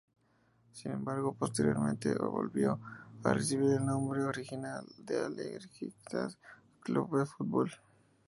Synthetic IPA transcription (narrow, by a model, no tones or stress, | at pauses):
sinẽmbaɾɣopost̪eɾjo̞ɾmẽnt̪ḛβo̰lβjo̞aresiβiɾelnõmbɾeoɾixinald̪ealeɣɾxit̪as | kluβdefut̪̚bol